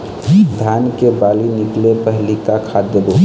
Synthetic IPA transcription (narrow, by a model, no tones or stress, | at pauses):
d̪ʱankebaːlinɪklepəɦlikakʰad̪jəb̪ʱo